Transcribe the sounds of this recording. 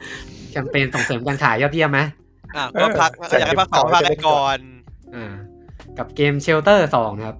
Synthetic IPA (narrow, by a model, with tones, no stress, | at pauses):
t͡ɕʰa˧mpeː˧nso˨˩˦ŋsɤː˩˦mkaː˧nkʰaː˩˦jɔː˥˩t̪̚wi˥˩əma˦˥ | ʔaː˧˩kɔ˥˩pʰa˦˥k̚ːkːpʰa˥ksɔː˨˦˥pʰa˦˥ka˧˩kɔː˨˩nʔaː˧˩ | ka˨˩p̚keː˧mt͡ɕʰe˧˥wt̪̬ɤː˥˩sɔː˩˦ŋ˧kʰa˦˥p̚